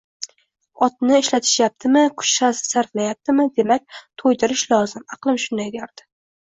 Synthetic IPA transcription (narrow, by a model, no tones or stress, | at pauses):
ɒt̪̚nɪːʃlat̪ʰɪ̥ʃjap̚t̪ʰɪmɪkʰʊ̥t͡ʃsassaɾflajap̚t̪ʰɪmɪd̪e̞mak̚ʲt̪ʰojd̪ɪɾɪʃlˠɒzɪmɑqlˠɪmʃʊnd̪ajd̪ʲaɾd̪̥ɪ̥